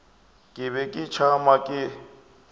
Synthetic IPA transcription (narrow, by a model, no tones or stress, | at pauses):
kʼɪβɛkʼɪt͡ʃʰamakʼɪ